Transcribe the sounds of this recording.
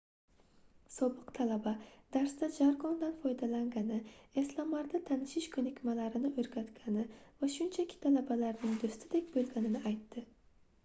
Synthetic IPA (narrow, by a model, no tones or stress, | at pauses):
sobɨqt̪ʰalabad̪æɾsd̪ad͡ʒaɾɡond̪anfɒjd̪alaŋɡʲanɪeslˠɑmlaɾd̪at̪ʰanɪʃɪʃkʲʰɵnɪkʲmalæɾɪnɪʔɵɾɡʲat̪kʲʰanɪvaʃʊnt͡ʃʰakʲʰːɪ̥t̪ʰalabalaɾnɪŋd̪ɵst̪ʰɪd̪ekʲbølɡʲanɪnɪajt̪ʰːɪ